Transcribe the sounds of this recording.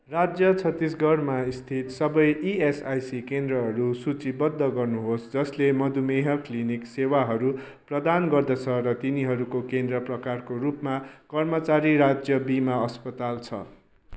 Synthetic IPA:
rad͡zjʌt͡sʰʌt̪ːis̬ɡʌrmaist̪ʰit̪sʌbʌjiesajsikend̪rʌɦʌɾusut͡sibʌd̪ʱːʌɡʌrnuɦosd͡zʌslemʌd̪ʱumeɦʌkliniksewaɦʌɾu | prʌd̪anɡʌrd̪ʌt͡sʰʌɾʌt̪iniɦʌɾukokend̪rʌprʌkarkoɾupmakʌrmʌt͡saɾiɾad͡zjʌbimaʌspʌt̪alt͡sʰʌ̰

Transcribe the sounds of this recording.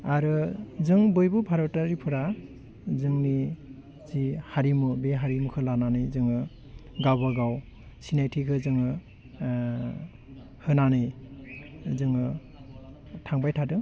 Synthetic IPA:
aɾɯzɯŋbɯjbupʰaɾataɾipʰɯɾa | zɯŋni | zihaɾimubeɦaɾimukʰɯlananɯjzɯŋɯ | ɡawbaɡaw | sinajtʰikʰɯzɯŋɯ | hɯnanɯj | zɯŋɯ | tʰaŋbajtʰadɯ

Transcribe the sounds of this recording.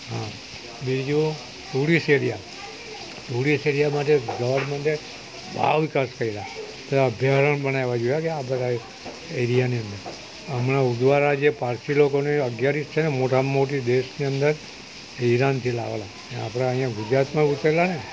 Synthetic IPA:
ɦã | bid͡ʒũ | tuɽiseɽija̰ | tuɽiseɽijamaʈeɡəʋəɽmɛ̃ɳʈe | bʱa̰ʋikaskəɾiɾae | t̪əəbʱjaɾəɳpəɳ̃eʋad͡ʒojakeabət̪a | eɾijaniənd̪əɾ | əmnaud̪ʋaɾad͡ʒepaɾt̪ilokoneəɡjaɾist͡ʃʰenemoʈamoʈid̪eʃniənd̪əɾ | iɾant̪ʰila̰ʋḛla | nea̰pɽ̃aə̃ɦĩjãɡʊd͡ʒɾat̪mãut̪ɾelane

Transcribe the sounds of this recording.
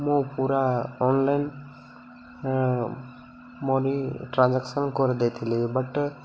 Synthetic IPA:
mũpuɾaɔnlajn | mɔɾiʈɾãnd͡ʒaksɔnkɔɾid̪ejt̪ʰilibaʈ

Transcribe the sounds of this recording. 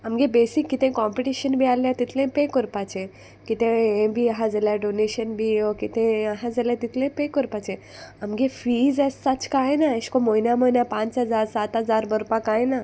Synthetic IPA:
amɡebesikːit̪ẽkɔmpiʈiɕənbʱialːjat̪it̪ʰlẽpekəɾpat͡ɕẽ | kit̪ẽẽbʱiaɦãd͡zaljaɖoneɕənbʱiokit̪ẽaɦãd͡zaljat̪it̪ʰlẽpekəɾpat͡ɕẽ | amɡefiːd͡zɛsːat͡skajnaeɕkomojnjamojnjapãt͡sɦəd͡zaɾsat̪ɦəd͡zaɾbəɾpakajna

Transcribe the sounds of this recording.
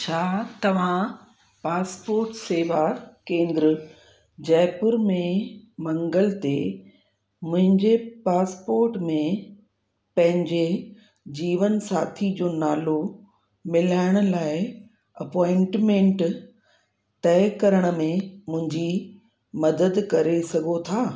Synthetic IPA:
t͡ɕʰaːt̪ɐʋ̤ã | paːspoːɾʈseːʋakẽːnd̪ɾə | d͡ʑɛːpʊɾmẽmɐ̃ŋɡəlt̪e | mʊ̃ɦɪ̃ɲd͡ʑepaːspoːɾʈmẽ | pɐ̃ɦɪ̃ɲd͡ʑe | d͡ʑiːʋənsaːt̪ʰid͡ʑoːnaːlo | mɪlaːɪɽ̃ʊ̆laːɪ | ɐpɔːɪ̃ɳʈmẽɳʈ | t̪ɛːɪkɐɾəɽ̃ə̆mẽmʊ̃ɦɪ̃ɲd͡ʑi | mɐd̪əd̪kɐɾesɐɡʱot̪ʰaː

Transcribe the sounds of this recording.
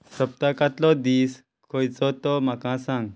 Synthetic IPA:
sɾəp̚t̪akãt̪lɔd̪iːs | kʰojt͡sɔt̪ɔm̤akãsãŋɡ

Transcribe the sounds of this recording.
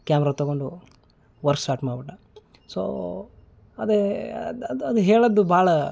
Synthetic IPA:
kjaːmɛɾaːt̪ɐɡoɳɖu | ʋɐɾsaːʈmaːbiʈːɐ | so̰ː | ɐd̪e | d̪ɐd̪uɦeːɭɐd̪ːubʱaːɭɐ

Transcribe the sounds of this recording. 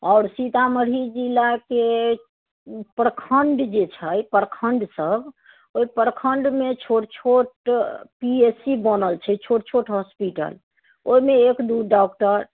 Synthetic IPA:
ɔʊɾsit̪aməɽ̤id͡ʒilːake | pəɾəkʰəɳɖd͡ʒet͡ʃʰəjpəɾkʰəɳɖsəb | oipəɾkʰəɳɖmet͡ʃʰoʈt͡ʃʰoʈpiesibənəlt͡ʃʰɛt͡ʃʰoʈt͡ʃʰoʈɦɔspiʈə̰l | oimeekd̪uɖɔk̚ʈəɾ

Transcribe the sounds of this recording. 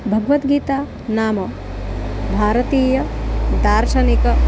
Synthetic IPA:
bʱɐɡʋɐt̪ɡiːt̪aː | naːmɐ | bʱaːɾɐt̪iːjɐd̪aːɾʃɐnikɐ

